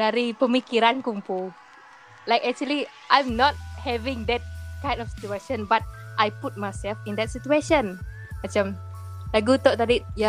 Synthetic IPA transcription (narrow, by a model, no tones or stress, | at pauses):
daɾipəmikiɾankumpu | lajkɛk̚t͡ʃuəli | ʔãjmnɔt̚hɛvĩŋdɛt̚kãj̃ndɔfsi̥tueʃɔ̃nbat̚ʔajput̚majsɛlfĩndɛt̚situeʃə̃nmat͡ʃãm | laɡut̪ɔʔt̪adija